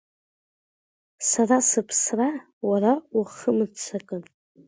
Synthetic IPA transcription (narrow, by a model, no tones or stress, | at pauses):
sarasɨpʰsra | waraaχəmɨt͡sʰakʼɨn